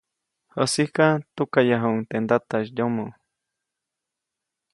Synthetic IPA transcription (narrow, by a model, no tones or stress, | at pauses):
hosihkat̪ukajaɦoŋt̪end̪at̪aʃjomo